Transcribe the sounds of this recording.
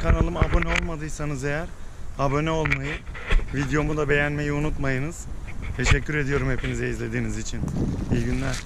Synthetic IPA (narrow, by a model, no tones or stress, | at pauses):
kʰanalˠɯmabo̞nɛo̞lˠmad̪ɯjsanɯze̞jæɾabo̞nɛo̞lˠmajɯvid̪jo̞mud̪abe̞jænme̞jiunut̪majɯnɯz̥t̪ʰe̞ʃɛcːyɾe̞d̪ijo̞ɾumhe̞pinizɛizlʲe̞d̪iːnizit͡ʃʰinijɟynlʲæɾ̥